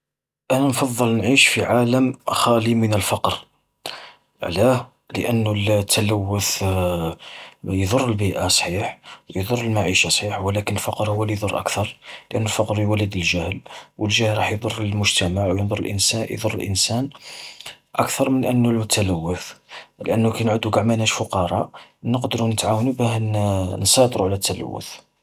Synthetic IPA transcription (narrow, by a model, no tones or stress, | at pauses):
ʔænænfɑd̪ˤːəlnʕiʃfiʕaləmxælimənəlfɑqɾ | ʕlæ | lə̰ʔənːult̪ʰːæləwːʊθ | jd̪ˤʊrˤːəlbiʔasˤħiħwjd̪ˤʊrˤːəlmaʕiʃasˤħiħwlækənəlfɑqɾhwːælijd̪ˤʊrˤʔæ̰kt̪ɑɾˤləʔənːulfɑqɾjwælːəd̪əlʒæhlwəlʒæhlɾˤɑħjd̪ˤʊrˤːəlmʊʒt̪æmaʕwjənd̪ˤʊrːˤə̰lʔə̰nsæjd̪ˤʊrːəlʔə̰nsæn | ʔəkt̪ɑɾˤmənʔənːulmʊt̪æləwːəθlʔənːukæjnʕud̪uɡaʕmænhæʃfʊqɑɾˤɑnəqd̪əɾunət̪ʕawənubæhnnsˤɑt̪ɾuʕlæt̪ʰːælæ̰wːʊ̰θ